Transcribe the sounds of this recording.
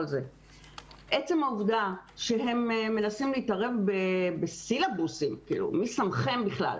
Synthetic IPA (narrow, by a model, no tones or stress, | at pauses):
lze | ʔet͡se̞mauvdaʃe̞ɦe̞mme̞nasimliiːtaʁe̞vbebesilabusimkḭːlṵmisamχe̞mbiχla̰l